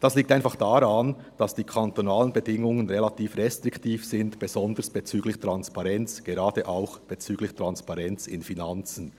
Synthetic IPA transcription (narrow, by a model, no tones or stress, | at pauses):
d̥asliːk̚taɪnfaχd̥aʁan | d̥asd̥iːkʰantonaːlənbedɪŋʊŋənʁelatʰiːfʁɛstʁ̥ɪktʰiːfz̥ɪntb̥ez̥ɔndəsb̥et͡syːɡlɪçtʁ̥anspaʁɛnt͡sɡ̥eʁaːdəʔaʊxb̥et͡syːɡlɪçtʁ̥anspaʁɛnt͡sɪnfinant͡sn̩